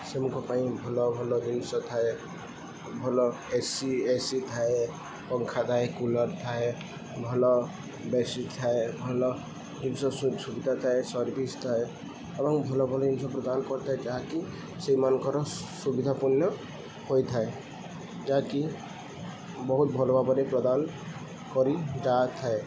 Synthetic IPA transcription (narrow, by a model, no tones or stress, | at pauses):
semukʰɔpaĩbʱɔlɔbʱɔlɔd͡ʒinsɔt̪ʰae | bʱɔlɔ | esiesit̪ʰae | pɔŋkʰat̪ʰaekulɔɾt̪ʰae | bʱɔlɔ | besit̪ʰaebʱɔlɔ | d͡ʒimsɔssubid̪ʱat̪ʰaesɔɾbʱist̪ʰae | ebɔŋbʱɔlɔbʱɔlɔimsɔpɾɔd̪ankɔɾt̪ʰaed͡ʒaaki | sejmankɔɾɔsubid̪ʱapunjɔ | hojt̪ʰae | d͡ʒaki | bɔɦut̪̚bʱɔlɔbabɔɾepɾɔd̪an | kɔɾid͡ʒat̪ʰae